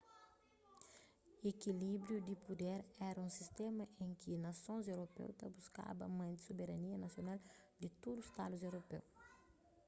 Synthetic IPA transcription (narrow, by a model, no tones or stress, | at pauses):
ekilibɾjud̪ipud̪ɛɾɛɾɐũsist̪ɛmɐʔẽŋkinɐsõnzewɾopɛ̰wt̪ɐbuska̰bɐ̰mɐ̃d̪isobeɾɐniɐnɐsjonald̪ɪt̪od̪ust̪a̰duzewɾopɛ̰w